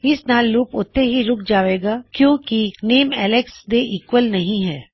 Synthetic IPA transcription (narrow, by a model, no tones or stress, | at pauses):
ɪsnaːlːuːpʊt̪ːeɦiɾʊkʰd͡ʒaːʋeːɡaːkjõːkineːmɛːleksd̪eʔiːkʋəlnɐɦĩɦɛː